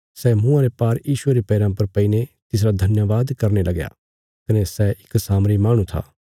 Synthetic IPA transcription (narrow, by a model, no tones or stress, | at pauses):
sɛmũːãɾepaːɾjiːʃʊeɾipɛːɾãpɐɾpɐinet̪ɪs̬ɾad̪ʱɐnjəʋaːd̪kɐɾnelɐɡja̰ | kɐnesɛɪksaːmɾimaːɽ̃ũt̪ʰa̰ː